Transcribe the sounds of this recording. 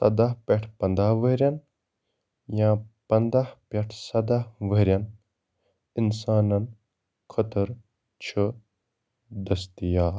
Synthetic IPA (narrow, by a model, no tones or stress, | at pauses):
sɐd̪aɦpʲɐʈʰpɐ̃nd̪aɦʋəɾjɐn | jãːpɐnd̪ahpɐʈʰsɐd̪aɦʋəɾʲjɐn | insaːnɐn | kʰɐt̪əɾ | t͡ʃʰə | d̪ɐst̪ijaː